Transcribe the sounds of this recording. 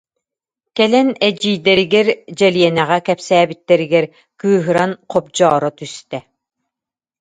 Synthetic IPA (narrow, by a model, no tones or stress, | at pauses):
kɛlɛnɛd͡ʑiːd̪ɛɾiɡɛɾd͡ʑɛlijɛnɛʁɛkɛpsæːbit̪ːɛɾiɡɛɾ | kɯːɦɯɾanqɔp̚d͡ʑɔːɾɔt̪yst̪ɛ